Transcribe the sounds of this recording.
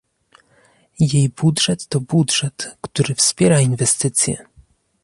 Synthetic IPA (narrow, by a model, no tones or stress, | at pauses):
jejbudʐɛt̪ːɔbudʐɛt̪kt̪uɾɘfspʲjɛɾainvɛst̪ɘt̪sʲjɛ̰